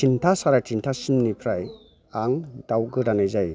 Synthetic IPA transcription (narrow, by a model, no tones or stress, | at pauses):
tʰintʰasaɾatʰintʰasɯmnipʰɾaj | aŋd̥awɡɯɾanajzaj